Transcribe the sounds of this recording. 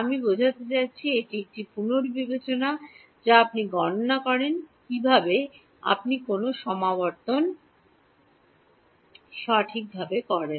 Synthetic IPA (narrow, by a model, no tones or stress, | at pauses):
amibod͡ʑʱat̪et͡ɕaːɕʰieʈik̚ʈipunoɾbibet͡ɕona | d͡ʑaapniɡɔnnakɔɾenkibʱabe | a̰pnikonoʃɔmabɔɾt̪on | ʃaʈʰik̚bʱabekɔɾen